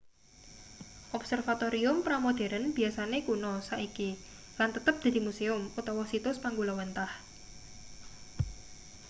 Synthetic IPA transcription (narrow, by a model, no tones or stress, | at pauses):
ʔɔpsərfat̪oɾiʊmpɾamod̪̥e̤ɾənb̥i̤asanekunɔsaʔiki | lant̪ət̪əp̚d̪̥a̤d̪imuseʊmut̪ɔwɔsit̪ʊspaŋɡulɔwənt̪ah